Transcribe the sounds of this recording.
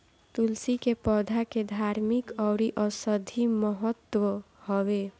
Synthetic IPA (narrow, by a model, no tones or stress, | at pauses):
t̪ulsikepɔd̪ʱaked̪ʱaɾmikɔɾiʔɔsəd̪ʱiməɦət̪ːwə | hɔwe